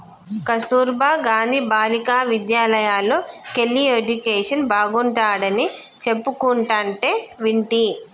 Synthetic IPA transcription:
kɐsuːɾbʱaːɡaːnd̪ʱiːbaːlikaːʋid̪jaːlɐjaːloːkelːied͡ʒukeːʂɐnbaːɡuɳʈaːɽɐni | t͡ʃe̞pːukuɳʈaːɳʈeːʋiɳʈi

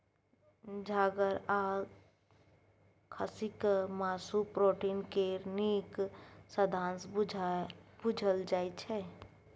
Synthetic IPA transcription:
d͡ʒʱaːɡəɾa | kʰəsikmaːsupɾoʈiːnkeɾniksəd̪ʱãːns | bud͡ʒʱəld͡ʒaːjt͡ʃʰɛ

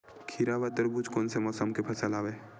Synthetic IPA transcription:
kʰiɾaʋət̪əɾbud͡ʒkoːnsemɔːsəmkepʰɐsəlaːʋeː

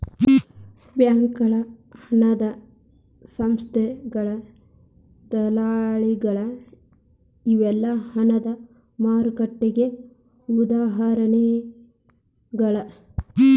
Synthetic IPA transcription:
bjaːŋkɐɭɐhɐnɐd̪ɐ | sɐmst̪ʰɛɡɐɭɐ | d̪ɐlaːɭiɡɐɭɐ | iʋɛlːɐhɐnɐd̪ɐ | maːɾkɐʈːiɡe | ud̪aːɦɐɾɐne | ɡɐɭɐ

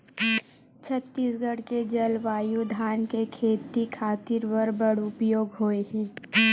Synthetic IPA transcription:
t͡ʃʰət̪ːiːsɡəɽked͡ʒɐlʋaːjud̪ʱaːnkekʰeːt̪ikʰaːt̪ɪɾʋəɾbəɽʊpjoːɡɦoːeɦɛ̃ː

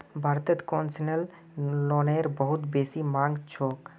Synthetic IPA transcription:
bʱaɾt̪ət̪kɔnsinəl | nɔneɾbəɦut̪besimãŋɡt͡ʃʰok

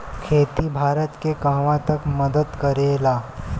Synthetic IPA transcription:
kʰeːt̪ibʱaːɾət̪kekaɦʋãt̪əkməd̪əd̪kəɾelaː

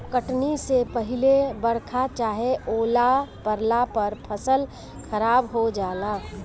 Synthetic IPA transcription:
kəʈnisepɐɦɪlebɐɽkʰat͡ʃaːɦeoːlapəɾlapɐɾpʰəsəl | kʰəɾaːbɦod͡ʒaːlaː

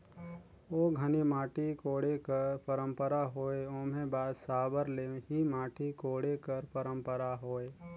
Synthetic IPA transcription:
oːɡʱənimaːʈikoːɽekəɾpəɾə̃mpəɾaɦoːeõːmẽbaːd̪saːbəɾleːɦimãːʈʰikoːɽekəɾpəɾə̃mpəɾaɦoːe

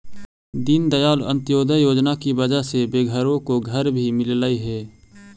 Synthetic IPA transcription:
d̪ind̪əjaːlə̰̃nt̪joːd̪əjoːd͡ʒnakibəd͡ʒaɦsebeːɡʱəɾõkoɡʱəɾbʱimɪllaːiɦɛː

